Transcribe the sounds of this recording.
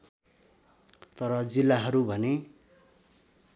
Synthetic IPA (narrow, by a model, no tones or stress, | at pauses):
t̪ʌɾʌd͡zilːaɦʌɾubʱʌne